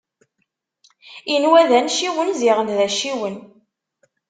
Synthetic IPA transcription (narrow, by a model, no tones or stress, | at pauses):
inwæðænʃiwənziʁənðæʃiwən